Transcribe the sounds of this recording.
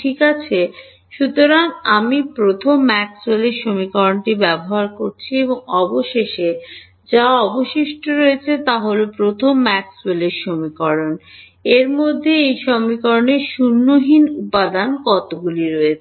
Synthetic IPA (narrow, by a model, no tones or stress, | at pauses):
ʈʰikat͡ɕʰe | ʃut̪oɾaŋamipɾot̪ʰomːɛksweleɾʃomikɔɾonʈibɛboɦaɾkoɾt͡ɕʰieboŋɔboʃeʃe | d͡ʑaɔboʃiʃʈoɾoet͡ɕʰet̪aɦolepɾot̪ʰomːɛksweleɾʃomikɔɾon | eɾmod̪ʱːeejʃomikɔɾoneɾʃunːoɦinupad̪ankɔt̪oɡuliɾɔet͡ɕʰe